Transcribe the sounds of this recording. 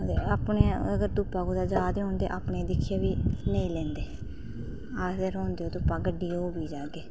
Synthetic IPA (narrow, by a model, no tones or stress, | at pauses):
eaːpneːəɡəɾt̪uːpaːkoːd̪aːd͡ʒaːd̪eɦõːnd̪ḛːʔaːpɳeːd̪ɪkʰːijaːʋiːnəĩːlɛ̃ːnd̪eː | aːeɾoːnd̪eːoːt̪ʊːpaːɡəɖːiːoːbiːd͡ʒaːɡeː